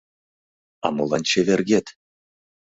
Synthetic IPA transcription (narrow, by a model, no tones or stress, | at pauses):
ɑ̰mulˠɑnt͡ɕevʲerɡʲet̪ʲ